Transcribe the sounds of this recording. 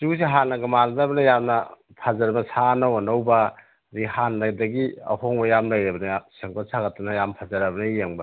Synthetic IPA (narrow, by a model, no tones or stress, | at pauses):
susiɦanːɐɡɐmaldabɐnɐjamnɐ | pʰazɐɾmɐsanɐwonawbɐ | ɾihanladɐɡiɐ̰hoŋbɐjamlajɾɐbɐnɐseŋpasʰaɡɐtːɐnɐjampʰazɐɾɐbɐnɐjeŋbɐ